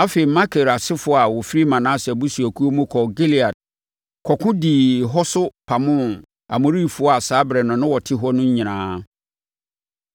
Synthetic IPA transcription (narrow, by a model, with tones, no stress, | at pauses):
a˦fe˨i˨mã˦kʰe˨ɾa˨sɪ˦fʊ˨˦ɔ˦a˨wɔ˨fi˦ɾi˦mã˨nã˦sɛ˨bu˦su˨æ˨kʰu˦o˦mʊ̃˦kʰɔ˨ɡe˦li˨a˨d̚ | kʰɔ˨kʰʊ̃˦diː˨ɦɔ˦sʊ˦pʰa˨mʊ̃˦˨n | a̰˨mʊ̃˨ɾiː˦˨fʊ˨˦ɔ˦a˨saː˨˦bɾɛ˨nʊ̃˨nʊ̃˦wɔ˨tʰɪ˦ɦɔ˦nʊ̃˦ɲ˦ɲĩ˨nãː˦